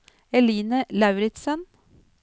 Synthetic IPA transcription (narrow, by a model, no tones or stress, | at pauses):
ɛliːnəlɑʉɾɪt̪sən